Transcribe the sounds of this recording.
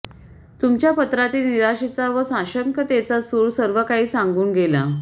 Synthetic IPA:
t̪umt͡ɕjapət̪ɾat̪iːlniɾaɕet͡saʋəsãɕəŋkət̪et͡sasuɭsəɾʋəkaɦiːsãŋɡuːnɡela

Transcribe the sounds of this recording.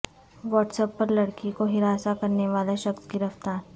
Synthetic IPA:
ʋɔːʈsəpːɐɾlɐɽkikoɦɪɾaːsakɐɾneʋaːlaʃɐksɡɪɾəft̪aːɾ

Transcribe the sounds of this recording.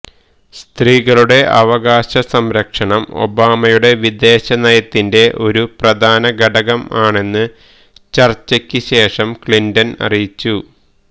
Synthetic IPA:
st̪riːɣɐɭuɽe̞ʔɐʋɐɡaːɕɐsɐmɾɐkʂɐɳɐmo̞̰baːmɐjuɽe̞ʋid̪e̞ːɕɐnɐjɐt̪ːinde̞ʔo̞ɾuprɐd̪ʱaːnɐɡɐɖɐɣɐmaːɳe̞nːɨ | t͡ɕɐrt͡ɕːɐkʲːɨɕe̞ːʂɐmkɭindɐnɐ̰rijit͡ɕːu

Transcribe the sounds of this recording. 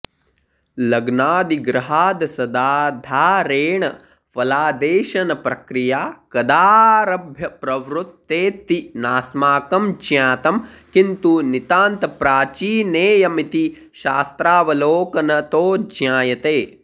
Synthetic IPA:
lɐɡnaːd̪iɡɾɐɦaːd̪ɐsɐd̪aːd̪ʱaːɾeːɳɐ | fɐlaːd̪eːʃɐnɐpɾɐkɾijaːkɐd̪aːɾɐbʱjɐpɾɐʋɾut̪ːeːt̪inaːsmaːkɐmd͡ʒjaːt̪ɐm | kint̪unit̪aːnt̪ɐpɾaːt͡ʃiːneːjɐmit̪i | ʃaːst̪ɾaːʋɐloːkɐnɐt̪oːd͡ʒjaːjɐt̪eː

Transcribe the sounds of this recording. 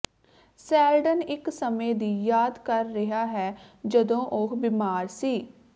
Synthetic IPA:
sɛːlɖənɪksəmeːd̪iːjaːd̪kəɾːɪɦaːɦɛːd͡ʒəd̪õːʔʊkʰbɪmaːɾsiː

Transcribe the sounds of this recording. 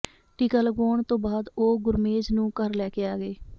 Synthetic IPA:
ʈɪkəlɡoːɳt̪õːbaːd̪oːɡʊɾmeːd͡ʒnũːkəɾlɛːkeːaːɡeː

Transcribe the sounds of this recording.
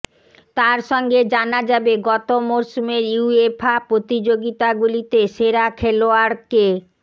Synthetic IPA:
t̪aɾʃɔŋɡed͡ʑanad͡ʑabeɡɔt̪omoɾsumeɾjuefʰapɾot̪id͡ʑoɡit̪aɡulit̪eʃeɾakʰeloaɾke

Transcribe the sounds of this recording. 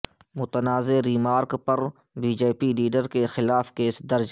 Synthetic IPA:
mʊt̪ənaːzeɾiːmaːɾkpɐɾ | biːd͡ʒeːpiliːɖəɾkexɪlaːfkeːsd̪ɐɾd͡ʒ

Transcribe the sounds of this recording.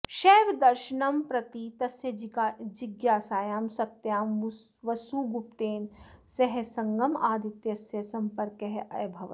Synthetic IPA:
ʃeːʋd̪ɐɾʃinɐmpɾɐt̪it̪ɐsjɐd͡ʒɪɡjaːsaːjaːmsɐt̪jaːmʋɐsuːɡupt̪eːmsɐɦesɐŋɡɐmaːd̪ʱit̪jɐsjɐsɐmpɐɾkɐɦɛʔɐ̰jbʱɐʋɐ

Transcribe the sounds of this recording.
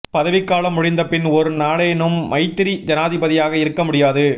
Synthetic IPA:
pɐðɐʋɪkːaːlɐmːʊɽɪnd̪ɐpɪnɔɾɯnaːɭɐjnɯmːɐɪt̪ːɪɾid͡ʒɐnaːðɪbɐðɪjaːɣɐɪɾɯkːɐmʊɽɪjaːðɯ

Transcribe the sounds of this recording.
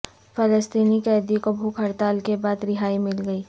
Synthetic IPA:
fʰələst̪iːnikɛːd̪ikobʱuːkʰəɾt̪aːlkebaːd̪ɾɪɦaːimɪlɡəiː

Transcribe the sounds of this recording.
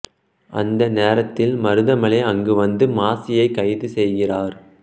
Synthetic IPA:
ʔɐ̰nd̪ɐneːɾɐt̪ːɪlmɐɾɯðɐmɐɭeɐŋɡɯʋɐnd̪ɯmaːsɪjɐɪkːɐjðɯsɛjɣɪraːɾ

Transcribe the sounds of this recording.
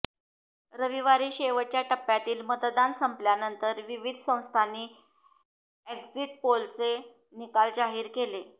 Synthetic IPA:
ɾəʋiʋaɾiːɕeʋəɽt͡ɕjaʈəpːjat̪iːlmət̪d̪ansəmpljanənt̪əɾʋiʋid̪ʱsə̃w̃st̪ʰanːiː | eɡd͡ziʈ̚polt͡se | nikald͡ʑaɦiːɾkele

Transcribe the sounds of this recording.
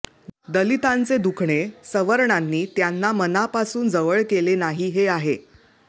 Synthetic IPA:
d̪əlit̪ãnt͡sed̪ukʰɳesəʋəɾɳanːiːt̪janːamənapasuːnd͡zəʋəɭkelenaɦiɦeaɦe

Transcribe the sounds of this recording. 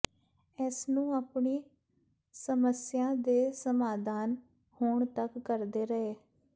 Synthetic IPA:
ɛsnũːaːpɳiː | səməsɪjãːd̪eːsəmaːd̪aːn | hoːɳt̪əkːəɾd̪eːɾəeː

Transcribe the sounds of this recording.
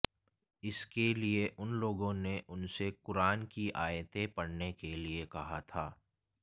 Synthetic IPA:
ɪskelieʔʊnloːɡõneʔʊnsekʊɾaːnkiʔaːjət̪ẽpɐɽnekeliekɐɦat̪ʰaː

